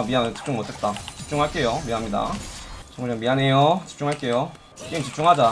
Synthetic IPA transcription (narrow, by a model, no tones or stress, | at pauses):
miɦanɯt͡ɕi̥p̚t͡ɕ͈uŋmotʰe̞t̚t͈at͡ɕi̥p̚t͡ɕ͈uŋɦaɭk͈e̞jomiamɲida̰t͡ɕʌŋad͡ʑʌŋmiɦane̞jot͡ɕi̥p̚t͡ɕ͈uŋɦaɭk͈e̞jo | k͈emt͡ɕip̚t͡ɕ͈uŋɦad͡ʑa